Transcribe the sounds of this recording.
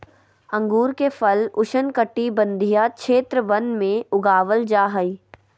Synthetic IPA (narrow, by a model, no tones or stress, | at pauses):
ɐ̃ŋɡuːɾkefʰɐlʊʃənkəʈːibɐ̃nd̪ʱijakʃʰeːt̪ɾəʋɐnmẽʊɡaːʋəld͡ʒaːɦəiː